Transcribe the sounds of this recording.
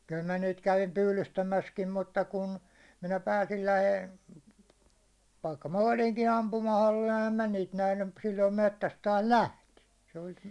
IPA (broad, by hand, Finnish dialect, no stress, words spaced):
kyl mæ niːt kæʋim pyːlystæmæskim mutːɑ kun minæ pæːsil læheil ʋɑikːɑ mɑ oliŋki ɑmpumɑholːil æhæm mæ niːt næhny m silːoim metːæs tɑːs læhti se olʲ